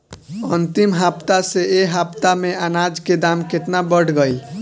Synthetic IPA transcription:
ənt̪imɦapt̪aseeɦapt̪ameanad͡ʒked̪amket̪nabəɽ̤ɡəjl

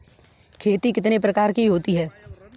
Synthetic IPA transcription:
kʰeːt̪ikɪt̪nep̬ɾɐkaːɾkiɦoːt̪iɦɛː

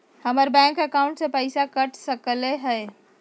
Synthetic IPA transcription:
həməɾbɛ̃ŋkəkaũɳʈsẽpəɪsakəʈʰsəkleɦəe

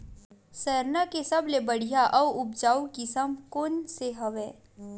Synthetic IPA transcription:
sɛɾnakesɐblebɐɽ̤ijaʔɔʊp̚d͡ʒaːukisɐmkoːnseɦɐʋeː

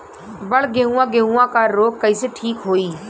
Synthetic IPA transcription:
bəɽɡeɦũːãːɡeɦũãːkaːɾoːɡkːəiːseːʈʰiːkɦoːiː

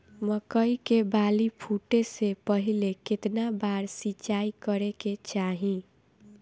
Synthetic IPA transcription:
məkəikebalipʰuʈesepəɦileket̪nabaɾsit͡ʃaikəɾeket͡ʃaɦĩ

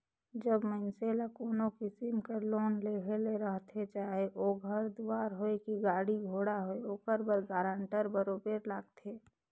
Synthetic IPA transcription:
d͡ʒəbmənselakoːnokisimkəɾloːnleːɡʱeleɾəɦt̪ʰet͡ʃaːɦeʔoːɡʱəɾd̪uaːɾɦoekiɡaːɽiɡʱoːɽaɦoeoːkəɾbəɾɡaːɾãɳʈəɾbəɾobeːɾlaːɡt̪ʰeː

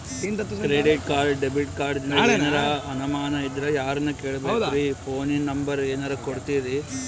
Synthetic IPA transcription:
int̪ɐt̪ːkɾeɖiʈ̚kaːɾɖɖebiʈkaːɾɖ̪inɐeːnɐɾɐɐnɐmaːnɐid̪ɾɐjaːɾɐnːɐkeːɭɐbeːd̪kipʰoːninnːɐmbɐɾeːnɐɾɐkoɽt̪iɾi

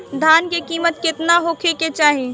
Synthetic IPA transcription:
d̪ʱaːnkekiːmət̪kɪt̪naɦokʰeket͡ʃaːɦe

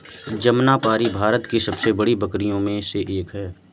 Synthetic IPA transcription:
d͡ʒɐmnapaːɾibʱaːɾət̪kisɐbsebɐɽibɐkɾijõmẽseʔeːkɦɛː

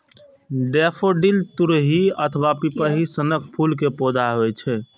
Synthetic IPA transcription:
ɖepʰoɖilt̪uɾɦiət̪ʰəʋapipəɦisənəkʰpʰulkepod̪aɦojt͡ʃʰɛ

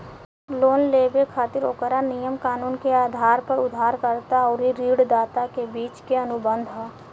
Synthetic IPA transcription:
loːnleːbekʰaːt̪ɪɾoːkəɾanijəmkaːnuːnkeaːd̪ʱaːɾpəɾʊd̪ʱaːɾkəɾt̪aɔːɾiɾiːɽd̪aːt̪akebiːt͡ʃkeənʊbə̃nd̪ʱɦɛː

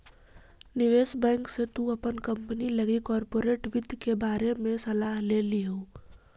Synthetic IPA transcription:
nɪʋeːsbɛ̃ːŋkset̪uɐpənkɐ̃mpənilɐɡikɔːɾpoːɾeːʈʋɪd̪ʱkebaːɾemẽsɐlaːɦleːliɦoː

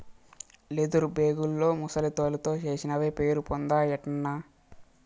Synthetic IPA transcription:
led̪uɾubeːɡulːo̞ːmusɐlit̪oːlɐt̪o̞ːt͡ʃe̞ːsinɐʋeːpe̞ːɾupond̪aːjɛʈɐnːa

